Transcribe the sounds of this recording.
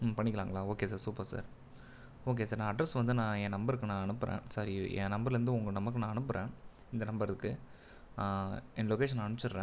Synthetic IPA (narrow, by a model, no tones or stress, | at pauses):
pɐɳːɪkːɐɾaːŋɡɐɭaːoːkeːs̬aːɾsuːpːɐɾsa̰ːɾ | oːk̬eːsaːɾnãːɐɖɾɐsʋɐnd̪ɯnãːɛ̃ːnɐmbɐɾkːɯnãːɐnɯpːɯɾʔḛ̃ːsɐɾiɛ̰̃ːnɐmbɐɾɾɯnd̪ɯʊŋɡɐnɐmːɐkːɯnãːɐnɯpːɯɾḛ̃ː | ɪnd̪ɐnɐmbɐɾɐɯkːɯ | ɛnlɔkeːʂ̬ɐnɐɳɯt͡ʃːɪɾɾẽː